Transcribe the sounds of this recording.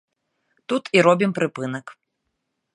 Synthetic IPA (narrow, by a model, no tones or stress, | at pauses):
t̪ut̪iɾɔbʲimpɾɨpɨnɐk